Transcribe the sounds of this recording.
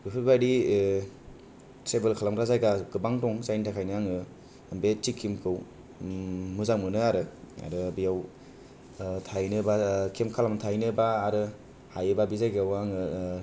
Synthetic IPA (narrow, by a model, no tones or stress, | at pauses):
bɯpʰɯbaɾi | sebelkʰalamɾazajɡaɡɯbaŋtɔŋzajntʰakʰajnɯaŋɯ | mbet͡ʃikʰːimkʰɯw | mɯzaŋmɯnɯaɾɯa̰ɾɯbijaw | tʰajnɯbakʰemkʰalamtʰajnɯbaːɾɯ | hajɯbabizajɡawaŋɯ